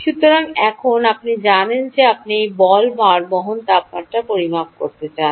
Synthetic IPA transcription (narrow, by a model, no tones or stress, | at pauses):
ʃut̪ːoɾaŋɛkʰonapnid͡ʑanend͡ʑeapniejbɔlmaɾboɦont̪ap̚maʈːapoɾimak̚koɾt̪et͡ɕan